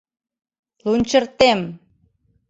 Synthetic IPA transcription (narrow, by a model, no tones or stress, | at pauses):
lunt͡ɕə̆rt̪em